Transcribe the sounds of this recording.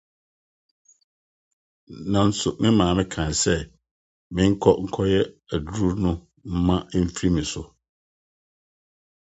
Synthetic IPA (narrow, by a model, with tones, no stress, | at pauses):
nã˨n̩˦sʊ˨mɪ̃˦mãː˨mɪ̃˦kʰã˨n˨sɛ˦ | mɪ̃˦ŋ̩˦kʰɔ˦ŋ̩˨kʰɔ˦jɛ˦æ˨du˦ɾu˦ɾnʊ̃˦ | m̩˦mã˦m̩˦fɾi˦mĩ˨sʊ˨